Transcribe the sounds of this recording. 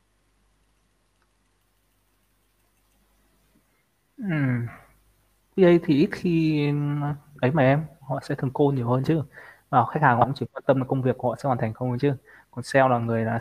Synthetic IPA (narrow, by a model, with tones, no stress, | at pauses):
ʔɨ˨˩m | ki˨˦ʔə˧jt̪ʰi˨˩ʔi˦˥t̚xi˧ | ʔə˨˦jmaː˨˩ʔɛ˧mhɔ̰˧˨sɛ̰˧˥t̪ʰɨ˨˩əŋko˧ɲi˨˩əwhəː˧nt͡ɕɨ˦˥vaː˨˩˨xa˦˥k̟̚haː˨˩hɔ̰˧˨˧ŋ͡mt͡ɕi˧˩kwɔː˨˦˥nt̪ə˧m˧˨˩kə˧ŋ͡mvi˨˩ək̚hɔ̰˧˨sɛ̰˧˥waː˨˩nt̪a˨˩ŋ̟xə˧ŋ͡mht͡ɕɨ˦˥ | kɔ˨˩nsɛ˧wlaː˨˩ŋɨ˨˩əjlaː˨˩